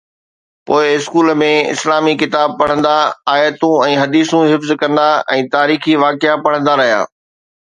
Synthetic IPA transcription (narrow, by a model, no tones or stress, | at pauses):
poːɪɪskuːləmẽɪ̰slaːmikɪt̪aːb̚pɐɽ̤̃ə̃nd̪aaːjət̪ũɛ̃ːɦɐd̪iːsũɦɪfzkɐ̃nd̪aɛ̃ːt̪aːɾiːxiʋaːkɪapɐɽə̃nd̪aɾɐɦija̰ː